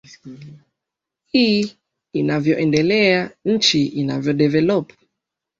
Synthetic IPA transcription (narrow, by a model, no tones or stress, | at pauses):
hiː | inavjɔʔɛndɛlɛaɲ̩t͡ʃiʔina̰vjɔɗɛvɛlɔpu̥